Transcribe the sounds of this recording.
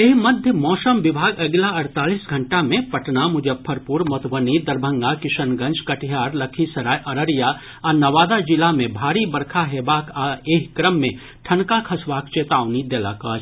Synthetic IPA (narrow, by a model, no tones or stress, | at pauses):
eɦmɐd̪ʱjəmɔːsəmʋɪbʱaːɡɐɡlaɐɾt̪aːliːsɡʱɐɳʈamẽpɐʈnamʊd͡ʒəb̚pʰɐɾpuɾmot̪bənid̪ɐɾbʱə̃ŋɡakɪʃənɡɐ̃nd͡ʒkɐʈjaːɾlɐkʰisɐɾaːjʔɐɾəɾja | ɐnɐʋaːd̪ad͡ʒɪlamẽbʱaːɾibɐɾkʰaɦeːbaːkʰaːeːɦkɾəmːẽ | ʈʰɐnkakʰɐsʋaːk̚t͡ʃeːt̪aːʋnid̪ɛːla̰kəːt͡ʃ